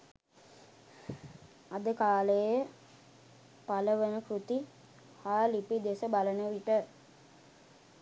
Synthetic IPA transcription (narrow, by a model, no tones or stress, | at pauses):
ad̪əkaːləjə | paləʋənəkɾut̪i | haːlipid̪esəbalənəʋiʈə